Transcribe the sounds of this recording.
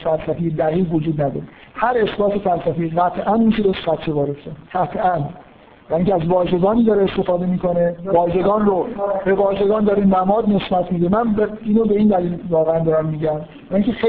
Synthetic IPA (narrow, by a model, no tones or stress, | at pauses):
fælsæfejed̪æɣiːvod͡ʒuːd̪næd̪ɒ̰ːɾe | hæɾe̞sbɒːse̞fælsæfeiɣæt̪ʰʔænunʃʰid̪eɾʃɢæt̪ʰt͡ʃʰːevɒːɾest̪æɢæt̪ʰæn | væiŋcʰʲeæzvɒːʒe̞ɡɒːniːd̪ɒɾeest̪e̞fɒːd̪e̞miːkʰo̞ne̞vɒːʒe̞ɡɒːnrobe̞vɒːʒe̞ɡɒːnd̪ɒɾenæmɒːd̪ne̞sbæt̪ʰmiːd̪emænbiːnobe̞iːnd̪æliːlvɒːɣeænd̪ɒːɾæmːiːɟæm | væiŋkʲʰe̞xe